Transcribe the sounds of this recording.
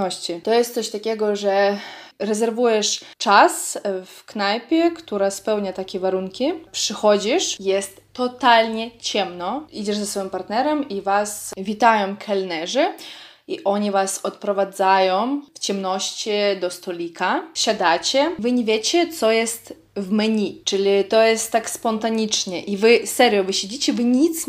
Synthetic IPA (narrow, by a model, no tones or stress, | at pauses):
ɔɕt͡ɕit̪ɔjɛst̪sɔɕt̪akʲɛɡɔʐɛɾɛzɛɾvujɛʂt͡ʂasfknajpʲjɛkt̪uɾaspɛwɲat̪akʲɛvaɾuŋkʲipʂɨxɔd͡ʑiʂjɛst̪ːɔt̪alʲɲɛt͡ɕɛmnɔid͡ʑɛʐzasfɔjimpaɾt̪nɛɾɛmivasvʲit̪ajɔ̃mkʰɛlnɛʐɨiʔɔɲɛvasɔt̪pɾɔvad̪zajɔ̃mft͡ɕɛmnɔɕt͡ɕid̪ɔst̪ɔlʲikaɕad̪at͡ɕɛvɨɲɛvʲjet͡ɕɛt̪sɔjɛst̪ | vmɲʲit͡ʂɨlʲit̪ɔjɛst̪ːakspɔnt̪aɲʲit͡ʂɲɛʔivɘsɛɾʲjɔvɨɕed͡ʑit͡ɕɛvɨɲit̪s